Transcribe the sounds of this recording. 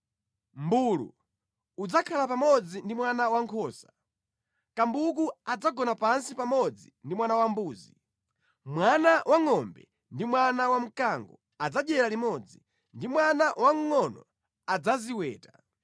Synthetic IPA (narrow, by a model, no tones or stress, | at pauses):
mbulṵ | ud͡zakʰalapamɔd͡zindimwanawaŋkʰɔːsḁ | kambuk̬uad͡zaɡɔnapansipamɔd͡zindimwanawambuːzi | mwanawʔaŋɔmbɛ | ndimwanawam̩kaŋɡɔ | ad͡zaɗɛɾalimɔd͡zi | ndimwanawʔaŋŋɔnɔ̰ | ad͡zaziwɛ̰ːta